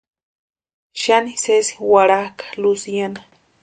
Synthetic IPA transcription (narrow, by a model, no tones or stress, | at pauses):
ʃanisesi̥waɽakḁlusjana